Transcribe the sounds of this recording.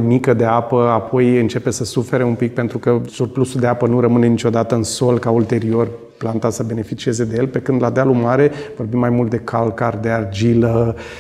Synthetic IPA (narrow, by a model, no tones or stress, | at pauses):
mikəd̪e̞apəapʰo̞jɨnt͡ʃe̞pe̞səsufe̞ɾe̞umpik̚pent̪ɾukəsurplusud̪e̞apənuɾəmɨne̞nit͡ʃʲo̞d̪at̪əɨnso̞lkault̪e̞ɾio̞r | plant̪asəbe̞ne̞fit͡ʃie̞ze̞d̪e̞je̞lpe̞kɨnd̪lad̪ealumaɾe̞vo̞rbimːajmult̪̚d̪e̞kʰalkard̪e̞ard͡ʒilə